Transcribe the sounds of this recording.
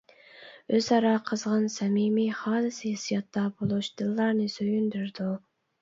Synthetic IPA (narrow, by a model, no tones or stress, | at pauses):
øzɑɾɑqʰəzʁɑnsɛmimiχɑːnɨsɨhisijɑt̪ːɑbolˠuʃd̪̥ɨlˠːɑɾnɨsøjynd̪yɾd̪u